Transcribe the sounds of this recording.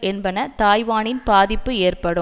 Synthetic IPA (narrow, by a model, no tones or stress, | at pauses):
ʔɛnbɐnɐt̪aːjʋaːnɪnbaːðɪpːɯeːrpɐɽɯ